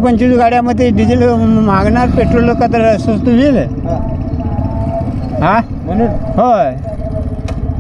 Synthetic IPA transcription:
pəɲt͡ɕid͡zuɡaɽjaməd̪ʱːjeɖid͡ʑilmaɡɳaɾpeʈɾollokat̪̬əɾsəst̪uʋil | ɦa | ho

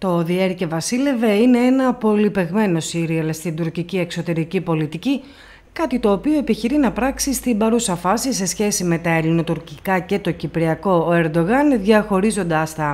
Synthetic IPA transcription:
t̪o̞ðieɾce̞vɐsile̞ve̞ine̞enɐpo̞lipe̞ɣme̞no̞siɾiɐlst̪ind̪uɾcicie̞kso̞t̪e̞ɾicipo̞lit̪ici | kɐt̪it̪o̞ːpio̞epiçiɾinɐpɾɐksist̪imbɐɾusɐfɐsise̞sçe̞sime̞t̪ɐelino̞t̪uɾcikɐce̞t̪o̞cipɾiɐko̞eɾd̪o̞ɣɐnðʝɐxo̞ɾizo̞nd̪ɐst̪ɐ

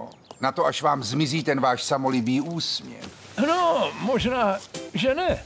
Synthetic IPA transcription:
nat̪oaʃvaːmzmɪziːt̪ɛnvaːʃsamo̞lɪbiːʔuːsmɲɛ̰x | nomoʒnaːʒɛnɛ

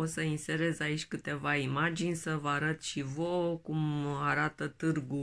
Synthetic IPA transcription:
osəinse̞ɾe̞zait͡ʃʲkɨt̪e̞vaimad͡ʒinʲsəvəaɾət̪ʃivokumaɾat̪ət̪ɨrɡu

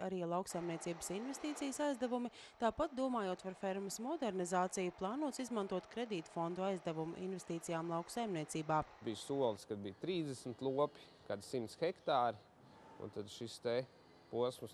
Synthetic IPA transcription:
aɾiːalˠawksajmniɛt̪siːbə̥sinvɛst̪iːt̪sijəsajzd̪ɛvumi | t̪aːpat̪̚d̪uɔmaːjuːt̪paɾfɛɾmɐsmɔd̪ɛɾnizaːt̪sijuplˠaːnuɔt̪sizmant̪uɔt̪kɾed̪iːt̪fɔnd̪uajzd̪ɛvumṵʔḭnvɛst̪iːt̪sijaːmlˠɑwksajmniɛtsiːbaːbijsuɔlˠskad̪̚bijt̪ɾiːzd̪ɛsm̩t̪lˠuɔpʲi̥ | kad̪simt̪sxɛkt̪aːɾi | ṵnt̪ad̪ʃist̪ɛ | puɔsms

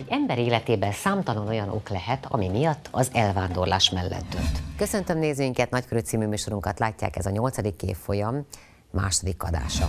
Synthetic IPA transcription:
ɛɟɛmbɛɾeːlɛt̪eːbɛnsaːmt̪ɒlono̞jɒno̞̰klɛɦɛt̪ɒ̰mimijɒt̪ʰːɒzɛlvaːnd̪o̞rla̰ːʃmɛlːɛ̰t̪̚d̪ø̞̰nt̪køsønt̪ømneːzyŋkɛt̪nɒckøɾyt̪siːmyːmyːʃo̞ɾuŋkɒt̪laːcːa̰ːkɛzɒɲo̞lt̪sɒd̪ikːḛːfːo̞jɒmː | a̰ːʃod̪ikːɒd̪a̰ːʃɒ

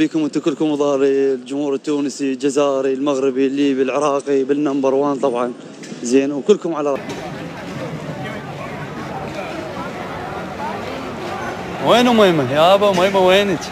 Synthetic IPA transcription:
biːkʊmwɪnt̪akʊlːkʊmwðˤɑːɾild͡ʒʊmhuːɾɪt̪ːuːnsild͡ʒazaːɾilmaɣɾɪbilːiːbilʕɪɾˤɑːqibɪnːambɑɾˤwaːnt̪ˤɑbʕɑn | zeːnwkʊlːkʊmʕalaɾˤɑʔ | weːnwmajmajabamajmaweːnt̪

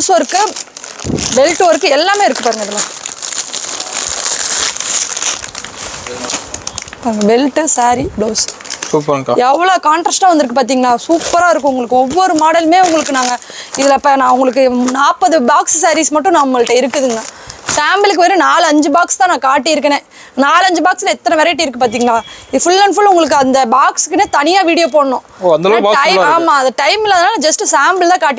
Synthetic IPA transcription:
oːsɐɾɯkːɯ | bɛlʈːʋɐɾɯkːɯɛlːaːmeːɪɾɯkːɯpaːɾɯŋɡɐɪðɯlːɐ | paːɾɯŋɡɐbɛlʈːɯsaːɾibloːssuːpɛʋːɐɭoːkaːɳʈɾɐsʈaːʋɐnd̪ɯɾɯkːɯpaːɾt̪̬iːŋɡɐnːaːsuːpːɐɾaːɪɾɯk̬ːʊ̃ʊŋɡɐɭɯkːɯɔʋːɔɾɯmaːɽɐlmeːʊŋɡɐɭɯkːɯnaːŋɡɐ | ɪðɪlɐpːɐnãːʊŋɡɐɭɯkːɯnaːpːɐðɯbaːkssɐɾismɐʈːʊ̃nãːʊŋɐɭʈːɐɪɾɯkːɯðɯŋɡɡɐ | saːmbɪlk̬ːɯʋeɾɯ̃naːlɐɲd͡ʒɯbaːkst̪ãːnãːkaːʈːɪɪɾɯkːɐnẽː | naːlɐɲd͡ʒɯbaːkslɐɛt̪ːɐnɐʋɛɾɐɪʈːɐɪɾɯkːɯpaːɾt̪iːŋɡɐnaːɪfʊlːɐnfʊlʊŋɡɐɭɯk̬ːɯɐnd̪ɐbaːkskːɯneːt̪ɐnɪjaːʋiːɽɪjoːpoːɽɐnʊ̃ | oɐnd̪ɐlːʈɐɪaːmaːɐðd̪ɐʈɐɪmɪlːɐðɐnaːlɐd͡ʒɐsʈɯsaːmbɪlt̪aːkaːʈ̬ːɪ

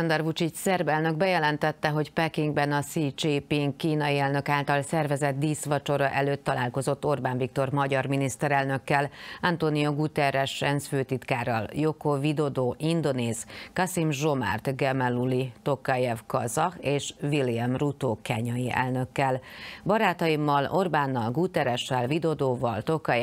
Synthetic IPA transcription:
sɔnd̪ɛrvut͡ʃicsɛrbɛlnø̞ɡ̚bɛjɛlɛnt̪ɛt̪ːɛɦo̞cpɛkiŋɡbɛnɒsit͡ʃipiŋɡkːiːnɒjiɛlnø̞kaːlt̪ɒlsɛrvɛzɛt̪̚d̪iːsʋɒt͡ʃo̞ɾɒʔɛløːt̪ːɒla̰ːlko̞zo̞t̪ːo̞rbaːɱvik̚t̪o̞rmɒɟɒrminist̪ɛɾɛlnø̞kːɛlɒnt̪onijoɡut̪ɛɾɛʃɛnsføːt̪it̪kaːɾɒ̰ljo̞kovid̪o̞d̪oːʔind̪o̞neːzkɒsimʒo̞ma̰rt̪ɡɛmɛlulit̪o̞kɒjɛvkɒzɒeːʃviliɛmrut̪oːkɛɲɒjiʔɛ̰lnø̞kːɛlbɒɾaːt̪ɒjimːɒlo̞rbaːnːɒlɡut̪ɛɾɛʃɛlvid̪o̞d̪oːvɒlt̪o̞kɒj

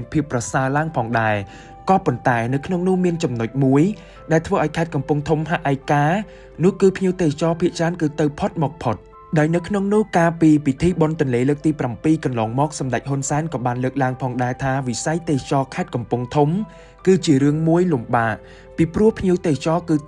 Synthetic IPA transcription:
ənpʰiəpːrɑsaəlaəŋpʰɑːŋɗaɛ | kɑːpont̪aɛnɨwkʰnoŋnʊ̆əhmiənt͡ɕɑmnoc̚muəj | ɗaɛlt̪ʰʋəːʔaɔjkʰaɛt̪̚kɑmpuŋt̪ʰumɦaʔʔakaː | nʊ̆əhkɨːpʰɲiəwt̪eːt͡ɕɑːpʰiəʔt͡ɕraənkɨːt̪ɨwpʰot̪̚mɔːk̚pʰot̪̚ | ɗaɔjnɨwkʰnoŋnʊ̆əhkaːpiːpit̪ʰiːɓont̪ʊ̆ənleːləːk̚t̪iːprampiːkɑnlɔːŋmɔːk̚sɑmɗac̚ɦʊnsaɛnkɑːɓaːnləːk̚laəŋpʰɑːŋɗaɛt̪ʰaːʋisajt̪eːt͡ɕɑːkʰaɛt̪̚kɑmpʊŋt̪ʰum | kɨːt͡ɕiəɾɨəŋmuəjlumɓaːʔ | piːprŭəhpʰɲiəwt̪eːt͡ɕɑːkɨː

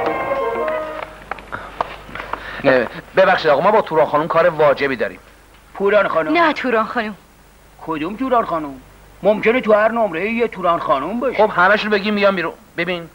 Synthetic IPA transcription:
bebæxʃiːd̪ɒːɣɑmɒːbɒːt̪ʰuːɾɒːnxɒːnumkʰɒːɾevɒːd͡ʒebiːd̪ɒːɾḭːm | pʰuɾɒːnxɒnunæt̪ʰuɾɒːnxɒːnum | kʰod̪umt̪uːɾɒːnxɒːnumː | omcenet̪ʰuhæɾnomɾejijet̪ʰuːɾɒːnxɒːnumbɒʃxobhæmæʃunbe̞ɡʲiːmːijɒjmiɾu | bebin

